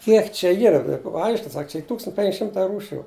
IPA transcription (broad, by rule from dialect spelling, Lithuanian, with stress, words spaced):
ˈkʲiɛk t͡ʃʲɛ ˈiːrɐ ˈɐɪʃʲkʲɪn ˈsɐk t͡ʃʲɛ ˈiː ˈtuːkstɐnʲtʲ pʲɛŋʲkʲ ˈʃʲɪmtɐɪ ˈruːʃʲʊ